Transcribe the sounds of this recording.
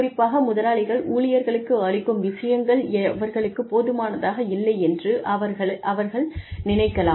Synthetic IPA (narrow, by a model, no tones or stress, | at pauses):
rɪpːaːɣɐmʊðɐlaːɭɪɣɐɭʔuːlɪjɐɾɣɐɭɯkːɯɐɭɪkːɯmʋɪʂɐjɐŋɡɐɭʋɐɾɣɐɭɯkːɯpːoːðɯmaːnɐðaːɣɐɪlːɐɪɛndrɯʔɐʋɐɾɐʔɐʋɐɾɣɐɭnɪnɐɪkːɐlaː